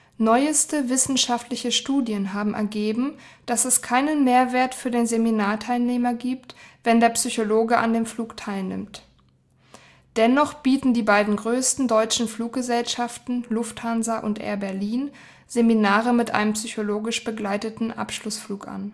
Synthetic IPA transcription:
nɔʏəstəvɪsn̩ʃaftlɪçəʃtuːdjənɦaːbm̩ʔɛ̰ɐɡeːbm̩d̥asɛskʰaɪnənmeːɐveːɐtfyːɐdeːnzeminaːɐtʰaɪlneːmɐɡiːptv̥ɛndeːɐpsyçoloːɡəʔa̰ndeːmfluːktʰaɪlnɪ̰mt | d̥ɛnɔχb̥iːtn̩diːbaɪdn̩ɡʁøːstn̩dɔʏt͡ʃn̩fluːk̚ɡ̥əzɛlʃaftn̩lʊfthanzɐʔʊ̰ntʔḛːɐbɛɐliːn | z̥eminaːʁəmɪtʔa̰ɪnəmpsyçoloːɡɪʃb̥əɡlaɪtətn̩ʔa̰pʃlʊsfluːkʔa̰n

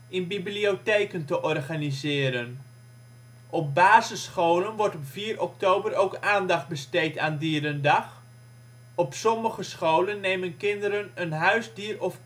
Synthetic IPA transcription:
ɪnbiblioteːkəntəʔɔrχanizɪːɾən | ʔɔp̚baːzəsχowlənʋɔrtɔpfiːrɔk̚towbəɾowkaːndɑχt̚bəstejtaːndiəɾəndɑx | ɔpsɔməχəsχowlənːeːmənkɪndəɾənənɦœɥzdiərɔf

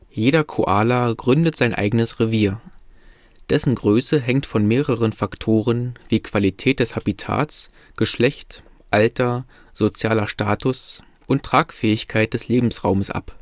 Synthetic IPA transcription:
jeːɾɐkʰoʔaːlaɡʁʏndətz̥aɪnʔa̰ɪɡənəsʁeviːɐ | d̥ɛsn̩ɡʁøːsəɦɛŋktfɔnmeːʁəʁənfaktʰoːʁ̞ənviːkv̥alitʰɛːt̚d̥ɛshabitʰa̰ːs | ɡ̥əʃlɛçt | ʔaltɐ | z̥ot͡sjaːlɐʃtaːtʰʊs | ʔʊntʁ̥aːkfɛːɪçkʰaɪt̚d̥ɛsleːbm̩sʁaʊməsʔa̰p

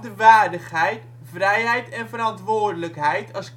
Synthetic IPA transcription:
dəʋaːrdəχɦɛjt | vrɛjɦɛjtɛnvərɑntʋʊːrdələkɦɛjtʰɑsk

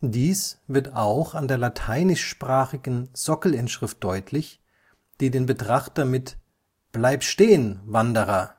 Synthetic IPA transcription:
d̥iːsv̥ɪɐtaʊxandeːɐlatʰaɪnɪʃʃpʁ̥aːχɪɡn̩z̥ɔkl̩ɪnʃʁ̥ɪft̚d̥ɔʏtʰlɪç | d̥iːdeːnbətʁ̥aχtɐmɪt | b̥laɪptʃteːənvandəʁɐ

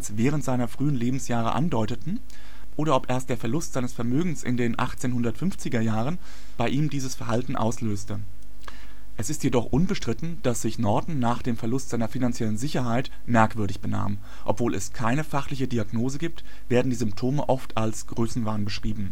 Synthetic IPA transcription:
lsv̥ɛːʁ̞əntz̥aɪnɐfʁ̥yːənleːbm̩sjaːʁ̞ə̰ʔa̰ndɔʏtətn̩ | ʔoːɾɐʔɔpʔeːɐstd̥eːɐfɛɐlʊstz̥aɪnəsfɛɐmøːɡŋ̩sɪ̰ndeːnʔa̰χt͡seːnhʊndɐtfʏnft͡sɪɡɐjaːʁ̞ən | b̥aɪʔiːmdiːzəsfɛɐɦaltn̩ʔa̰ʊsløːstə | ʔɛsɪstjedɔχʔʊnbəʃtʁ̥ɪtn̩d̥asz̥ɪçnɔɐdn̩naːχd̥eːmfɛɐlʊstz̥aɪnɐfinant͡sjɛlənzɪçɐɦaɪt | mɛɐkv̥ʏɐɾɪçb̥əna̰ːm | ʔɔpv̥oːlɛskʰaɪnəfaχlɪçədiaɡnoːzəɡiːp̚t | v̥eːɐdn̩diːzʏmp̚tʰoːməʔɔftʰalsɡ̥ʁøːsn̩vaːnbəʃʁ̥iːbm̩

